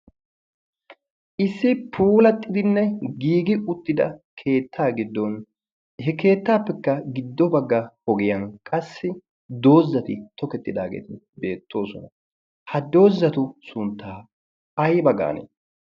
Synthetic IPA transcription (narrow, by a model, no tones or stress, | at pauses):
ʔɪsːɪpʰuːlɐt̪ʼːɪd̪ɪnːɛɡiːɡɪʊt̪ːɪd̪ɐ̰kʰe̞ːt̪ʰːaːɡɪd̪ːɔn | hɛke̞ːt̪ːaːpːɛkːɐɡɪd̪ːɔbɐɡːɐhɔɡɪjɐnkʼɐsːɪ | d̪o̞ːzːɐt̪ɪt̪ɔkɛt̪ːɪd̪a̰ːɡḛːt̪ɪ | be̞ːt̪ʰːo̞ːsɔnɐ | hɐd̪o̞ːzːɐt̪ʊsʊnt̪ːaː | ɐjbɐɡa̰ːnḛː